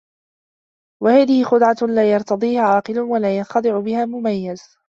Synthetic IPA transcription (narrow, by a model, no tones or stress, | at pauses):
wahaːðɪhɪxʊd̪ˤʕɑlaːjɑɾˤt̪ɑd̪ˤiːhaʕɑːqɨlʊwalaːjɑnxɑd̪ˤɨʕʊbɪhaːmʊmajːaz